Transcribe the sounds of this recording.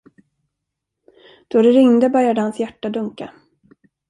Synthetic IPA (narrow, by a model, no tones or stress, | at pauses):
d̪̥ɔɾɛɾɪŋd̪əbœɾjad̪əhansjæʈːad̪ɵŋka